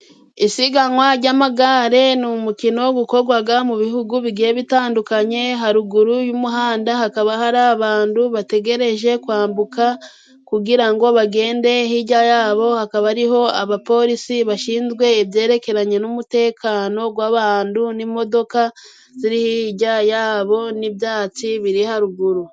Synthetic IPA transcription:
isiɡaŋwaɾɟamaɡaɾe̞numukino̞ɡuko̞ɡwaɡamuβiɦuɡuβiɡieβitaːndukaɲe̞ɦaɾuɡuɾujumuɦaːndahakaβahaɾaβaːnduβate̞ɡe̞ɾe̞ʒe̞kwaːmbuka | kuɡiɾaŋɡo̞βaɡe̞ːnde̞hiːɟajaːβo̞hakaβaɾiɦo̞aβapo̞ɾisiβaʃiːnzɡwe̞ːβje̞ːɾe̞ke̞ɾaɲe̞numute̞ːkʰano̞ɡwaːβaːndunimo̞do̞ka | ziɾihiːɟajaːβo̞nibjaːt͡siβiɾihaɾuɡuɾu

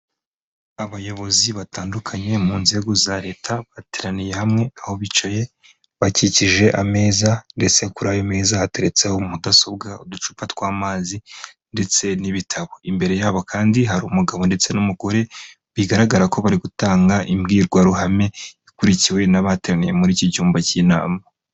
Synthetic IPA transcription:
aβajo̞βo̞ziβataːndukʰaɲe̞muːnze̞ɡozaɾe̞ːtʰaβateɾanije̞hamŋe̞aho̞βit͡ʃaje̞ | βaciciʒe̞ʔame̞ːzande̞t͡se̞kuɾajome̞ːzahateɾe̞t͡sehomudaso̞bɡaudut͡ʃu̥patwaːmaːzi | nde̞t͡se̞niβitʰaβo̞imbe̞ɾe̞jaːβo̞kʰaːndiɦaɾumuɡaβo̞nde̞t͡se̞numuɡo̞ɾe̞ | βiɡaɾaɡaɾako̞βaɾiɡutaːŋɡaʔimɡiːɾɡwaɾuhame̞ikuɾiciwe̞naβateɾanije̞muɾiːciɟuːmbacina̰ːma

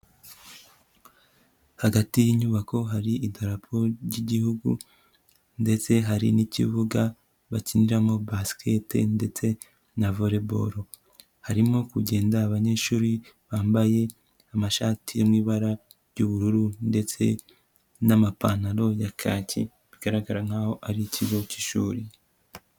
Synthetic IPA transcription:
haɡatijiɲuβako̞ɦaɾiidaɾapʰoɾɟiɟihuɡṵ | nde̞t͡se̞ɦaɾḭnicḭβuɡa | βaciniɾamo̞baskʰetḛnde̞t͡se̞ | navo̞ɾe̞bo̞̰ɾo̞ | haɾimo̞kuɟe̞ːndaːβaɲe̞ʃuːɾi | βaːmbaje̞ | amaʃaːtʰijomŋiːβaɾa | ɾjuβuɾuɾunde̞t͡se̞̰ | namapanaɾo̞jakʰaːcḭ | βiɡaɾaɡaɾaŋ̥haːho̞ʔaɾicʰiɡo̞ciʃuːɾi

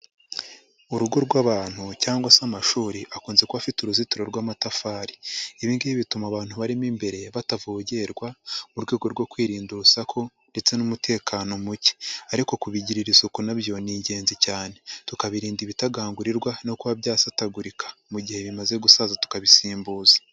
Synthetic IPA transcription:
uɾuɡo̞ɾɡwaːβaːn̥hucaːŋɡwasamaʃuːɾiʔakuːnze̞kuβafituɾuzituɾo̞ɾɡwamatafaɾiiβiːŋɡejiβitumaβaːn̥huβaɾimimbe̞ɾe̞βatavoːɟe̞ɾɡwamuɾɡwe̞ːɡo̞ɾɡwo̞kwiːɾiːnduusakʰo̞ | nde̞t͡se̞numutʰe̞ːkʰaːno̞muci̥aɾiko̞kuβiɟiɾiɾisokunaβjo̞niːɲɟe̞ːnzicaːne̞tukaβiɾiːndiβitaɡaːŋɡuɾiɾɡwano̞kuβaβjaːsataɡuɾikʰḁmuɟihe̞βimaze̞ɡusaːzatu̥kaβisiːmbuːzḁ

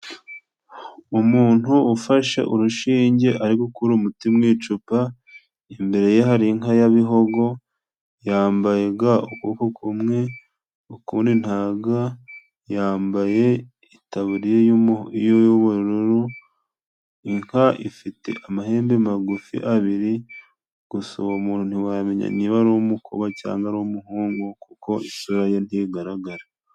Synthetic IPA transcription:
umuːn̥huːfaʃḛʔuɾuʃiːɲɟe̞ʔaɾikukuɾumutimŋiːt͡ʃupa | imbe̞ɾe̞jehaɾiŋɦajaβiɦo̞ɡo̞ | jaːmbajeɡaukukokʰumŋe̞ | ukuːndin̥haːɡa | jaːmbaje̞ | itaβuɾijeijojoβoɾɾoɾu | iŋhaʔifitḛʔamahe̞ːmbemaɡufḭʔaβiɾi | ɡ̥usoomuːnun̥huwameɲa̰niβaɾoːmukʰoβaca̰ːŋɡaɾoːmuɦuːŋɡokuko̞isuɾajon̥iːɡaɾaɡaɾa

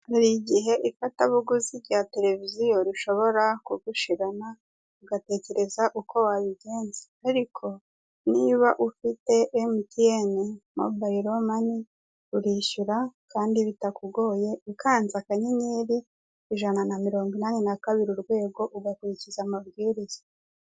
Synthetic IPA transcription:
haɾiɟiɦe̞ʔifataβuɡuziɾɟaːte̞ɾe̞vizijo̞ɾiʃo̞βo̞ɾakuɡuʃiɾana | uɡate̞ce̞ɾe̞zaʔukʰo̞waβiɡe̞ːnzeaɾikʰo̞ | niβaʔufite̞ʔːmitijenemo̰baiɾomani | uɾiːʃuɾakaːndiβitakuɡo̞ːje̞ikʰaːnzakaɲiɲiːɾi | iʒananamiɾo̞ːŋɡwinaːninakaβiɾiɾɡwe̞ːɡo̞ʔuɡakuɾicizamabɡiːɾiza

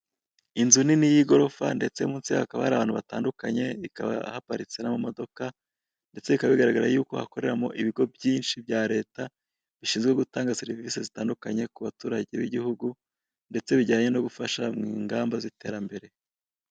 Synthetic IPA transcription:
inzuninijiɡo̞ɾo̞fa̰nde̞t͡se̞muːnsiaakaβa̰haɾaβaːn̥huβataːndukaɲe̞ikaβa̰hapaɾit͡se̞namumo̞do̞ka | nde̞t͡se̞βikaβaβiɡaɾaɡaɾajuːko̞̰ha̰ko̞ɾe̞ɾamo̞ʔiβiɡo̞bjiːnʃibɟaːɾe̞ːta | βiʃiːnzɡwe̞ɡutaːŋɡaseɾiviːsezitaːndukaɲe̞kuβatuːɾaɟe̞βiɟihuɡu | nde̞t͡se̞βiɟaːɲe̞no̞ɡufaʃamŋiːŋɡaːmbazite̞ːɾambe̞ɾe̞

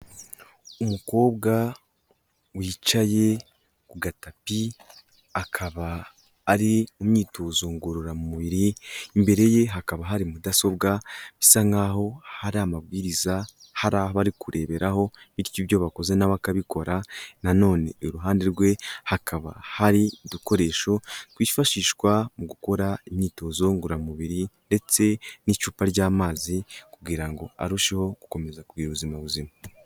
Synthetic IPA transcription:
umuko̞ːβɡa | wiːt͡ʃaje̞ | kuɡatapi | akʰaβaː | ɾiumɲiːtoːzo̞ŋɡoɾoɾamumuβiɾiːmbe̞ɾe̞je̞ɦakaβaɦaɾimudaso̞bɡaβisaŋɡaːɦo̞haɾamabɡiːɾiza | haɾaːhoβaɾikuɾʔe̞ːβe̞ɾaɦo̞βiɾjiβjo̞βako̞ze̞naβakaβiko̞ɾanano̞ːne̞̰uɾuɦaːndeɾɡwe̞hakʰaβa̰haɾiduko̞ɾe̞ːʃo̞twiːfaʃiːʃkwamuɡuko̞ɾaimɲiːto̞zo̞ŋɡuɾamuβiɾinde̞t͡se̞nit͡ʃuːpaɾɟaːmaːzikubɡiːɾaŋɡo̞̰a̰ɾuʃeho̞ɡu̥ko̞me̞zakubɡiːɾuβuzimaβuzima

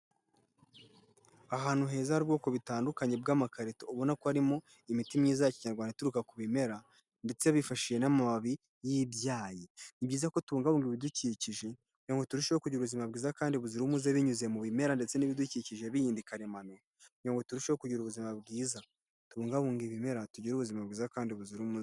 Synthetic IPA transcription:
aɦaːn̥huɦe̞ːzahaɾubɡo̞ːko̞βitaːndukaɲe̞bɡaːmakaɾetouβonakoaɾimo̞ | imitimɲiːzajaciɲaɾɡwaːnetuɾukakuβime̞ɾa | nde̞t͡se̞βifaʃije̞namaβaβi | jibjaːjenibɟiːzako̞tuβuːŋɡaβuːŋɡiβiduciciʒe̞ | ɲoŋɡotuɾuʃewokuɟiɾuβuzimabɡiːzakaːndiβuziɾumuzeβiɲuzemuβime̞ɾande̞t͡se̞niβiduciciʒeβijiːndikaɾemano | oŋɡo̞tuɾuʃewokuɟiɾuβuzimabɡiːza | tuβuːŋɡaβuːŋɡiβime̞ɾatuɟiɾuβuzimabɡiːzakaːndiβuziɾumuz

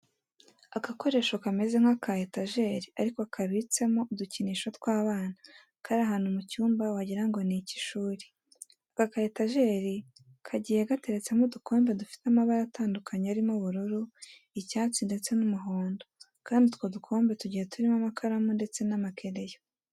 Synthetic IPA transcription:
akako̞ɾe̞ːʃo̞kame̞ze̞ŋ̥akʰajetaʒe̞ɾiaɾikokʰaβit͡se̞moduciniʃwotkwaːβaːna | kaːɾiaɦaːn̥humucuːmbawaɟiɾaŋɡo̞nici̥ʃuːɾi̥ | akakajetaʒe̞ɾi | kʰaɟiːjeɡate̞ɾet͡se̞mudukʰo̞ːmbe̞dufi̥tamaβaɾataːndukʰaɲeaɾimoβuɾuɾu | icaːt͡sinde̞t͡se̞numuɦoːndo | kaːndit̪wodukʰo̞ːmbe̞tuɟijetuɾimamakʰaɾamonde̞t͡se̞namakʰe̞ɾe̞jo

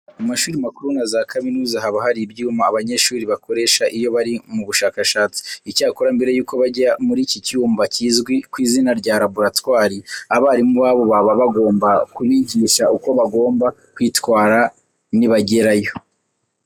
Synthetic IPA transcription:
amaʃuːɾimakuɾunazakaminuːzaɦaβahaɾibjiumaːβaɲe̞ʃuːɾiβako̞ɾe̞ːʃaʔijo̞βaɾimuβuʃaːkaʃaːt͡si̥icaːkoɾambe̞ɾejuːko̞βaɟɾamuɾiciciuːmbacizɡwikwiːzinaɾɟaːɾabuɾatwaːɾiaβaɾimuβaːβo̞βaβaβaɡo̞ːmbakuβiɟiːʃauko̞βaɡo̞ːmbakwiːtwaːɾa | niβaɟe̞ɾajo̞

